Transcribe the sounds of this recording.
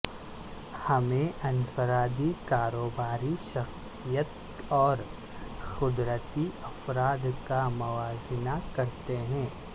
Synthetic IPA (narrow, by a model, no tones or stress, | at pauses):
hɐmẽʔɐnfəɾaːd̪ikaːɾoːbaːɾiʃɐxs | ijət̪̚ | ɔːɾ | xʊd̪ɾət̪iɐfɾaːd̪kamʊʋaːzɪnakɐɾt̪eɦɛ̃ː